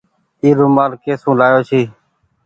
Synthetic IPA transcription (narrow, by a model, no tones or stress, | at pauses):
iːɾũːmaːlkeːsũːlaːjoːʃʰiː